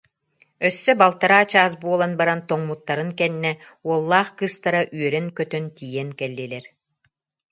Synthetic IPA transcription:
œsːœbalˠt̪aɾaːt͡ɕaːs̬buɔlˠanbaɾant̪ɔŋmut̪ːaɾɯŋkɛnːɛuɔlˠːaːχkɯst̪aɾaʔyœɾɛnkœt̪œnt̪iːjɛŋkɛlʲːiːlɛɾ

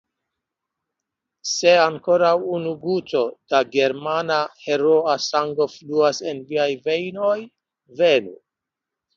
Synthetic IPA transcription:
se̞aŋko̞ɾawunuɡuto̞d̥aɡe̞ɾmanahe̞ɾo̞asaŋɡo̞fluase̞nviajve̞jno̞j | ve̞nṵ

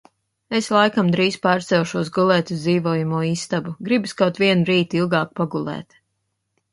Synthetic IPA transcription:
eslˠajkamd̪ɾiːzpɑːɾt̪sɛwʃuɔs̬ɡulˠɛːt̪ud̪iːvɔːjumuɔiːst̪abuɡɾibuskawt̪ʋiɛnɾiːt̪ilˠɡɑːk̚paɡulˠɛ̰ːt̪

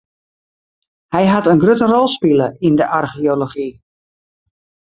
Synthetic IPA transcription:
hɛjɦatənɡrøtərɔlˠspiləʔindəʔarxioloχi

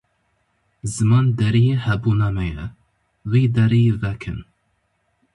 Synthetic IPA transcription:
zɨmɑːnd̪ɛɾijehɛbuːnɑmɛjɛ | wiːd̪ɛɾijevɛkʰɨ̰n

